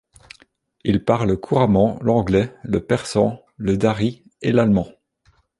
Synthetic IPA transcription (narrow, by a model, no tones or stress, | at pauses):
ilpaʁlkʰuʁamɑ̃lɑ̃ɡlɛləpɛʁsɑ̃ | ləd̪aʁi | elalmɑ̃